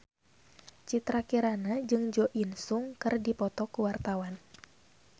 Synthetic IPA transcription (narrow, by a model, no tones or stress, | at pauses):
t͡ʃit̪ɾakiɾanad͡ʒɨŋd͡ʒɔʔinsuŋkɨrdipɔt̪ɔkuwart̪awan